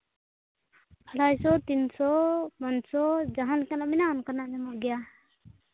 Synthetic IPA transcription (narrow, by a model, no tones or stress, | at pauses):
pʰaɽajsɔt̪insɔmansɔd͡ʒaɦankanamɛnaɔnkanamɛmɔɡija